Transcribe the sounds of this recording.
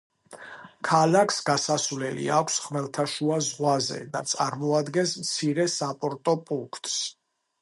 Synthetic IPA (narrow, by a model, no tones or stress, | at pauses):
kʰalakʰsɡasasvlɛlḭakʰsχmɛlˠt̪ʰaʃuazʁwazɛ̰d̪at̪sʼaɾmɔad̪ɡɛnsmt̪sʰiɾɛsapʼɔɾt̪ʼɔpʼuŋkʰt̪ʼs